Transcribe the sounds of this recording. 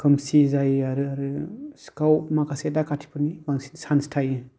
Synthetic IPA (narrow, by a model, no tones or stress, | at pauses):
kʰɯmsizajaɾɯaɾɯskawpmakʰasedakʰatʰi̥pʰɯnibaŋsisanstʰajɯ